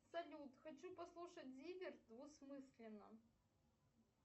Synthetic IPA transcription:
sɐlʲut̪xɐt͡ɕupɐslˠuʂətʲzʲivʲɪrd̪vʊsmɨsʲlʲɪnːə̰

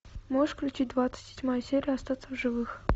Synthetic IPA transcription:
moʐɨʂklʲʉt͡ɕit̚ʲd̪vat̪sɨ̥tʲsʲɪtʲmajsʲeɾʲɪjɐst̪at̪səvʐɨvɨx

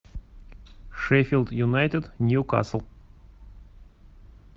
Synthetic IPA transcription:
ʂɛfʲilˠd̪jʊnajt̪ʲɪd̪nʲjuka̰səlˠ

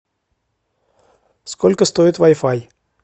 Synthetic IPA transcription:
skɔlʲkəst̪ojət̪ʋɑjfɑj

